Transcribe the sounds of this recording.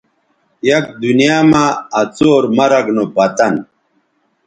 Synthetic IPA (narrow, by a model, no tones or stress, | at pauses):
jɐk̚d̪unijaːmaːt͡soːɾmɐɾɐɡnopɐt̪ɐn